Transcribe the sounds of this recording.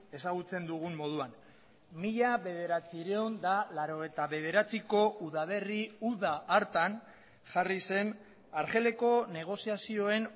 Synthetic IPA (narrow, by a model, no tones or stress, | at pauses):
e̞saɣut͡se̞nd̪uɣumːo̞ð̞uan | miʎaβe̞ð̞e̞ɾat͡siɾeond̪alaɾo̞ɣ̞ejt̪aβe̞ð̞e̞ɾat͡siko̞ʔuðaβe̞riuðaʔːɾt̪an | ʝarise̞n | aɾʝe̞le̞ko̞ne̞ɣ̞o̞siasio̞e̞n